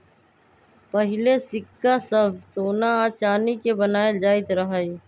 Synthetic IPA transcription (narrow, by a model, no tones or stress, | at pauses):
pɐɦɪlesɪkːasɐbʱsoːnaaːt͡ʃaːnikebɐnaːed͡ʒaːɪt̪ɾɐɦaːi